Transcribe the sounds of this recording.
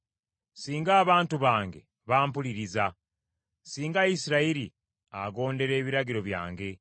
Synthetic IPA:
siːŋɡaːβaːntuβaːŋɡe̞̰ | βaːmpuliɾiza | siːŋɡaisiɾaiɾi | aɡo̞ːnde̞ɾe̞ːβiɾaɡiɾo̞βja̰ːŋɡe̞

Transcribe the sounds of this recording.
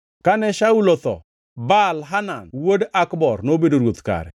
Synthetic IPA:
kanɛʃaulot̪ɔ̰ | balɦananwodakbɔrnobedoɾwot̪ka̰ɾɛ̰

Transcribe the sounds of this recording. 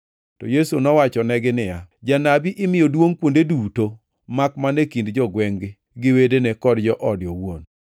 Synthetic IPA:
tɔjesunɔwat͡ʃɔnɛɡɪnɪjad͡ʒanabiʔɪmɪjɔdwoŋkwondeduto | makmanekindd͡ʒɔɡwɛŋɡɪ | ɡɪwedenekɔdd͡ʒɔʔɔdjɔwon

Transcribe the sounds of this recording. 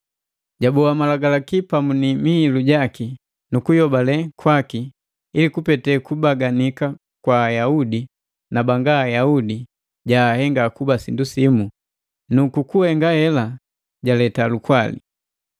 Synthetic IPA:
ɟabɔamalaɡalakipamunimiːluɟaki | nukujɔbalɛkʰwaki | ilikupɛtɛkubaɡanika | kwaːjaudi | nabaŋɡaːjaudi | ɟaːhɛŋɡakubasindusimu | nukukuhɛŋɡahɛla | ɟalɛtalukwalḭ

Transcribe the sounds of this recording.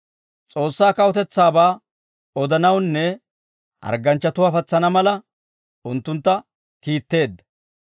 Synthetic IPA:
t͡sʼo̞ːsːaːkɐwɔt̪ɛt͡sːaːbaː | ɔd̪ɐnɐwnːɛ | hɐ̰ɾɡɐnt͡ʃːɐt̪ʊwaːfɐt͡sːɐnɐmɐlɐ | ʊnt̪ːʊnt̪ːɐ | kiːt̪ːe̞ːd̪ːɐ̥

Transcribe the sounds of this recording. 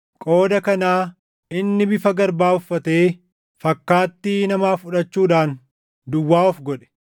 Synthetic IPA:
kʼo̞ːd̪ɐkɐnaː | ɪnːɪbɪfɐɡɐɾbaːʊfːɐt̪e̞ː | fɐkːaːt̪ːinɐmaːfʊᶑɐt͡ʃːuːᶑaːn | d̪ʊwːaːɔfɡɔᶑɛ̥

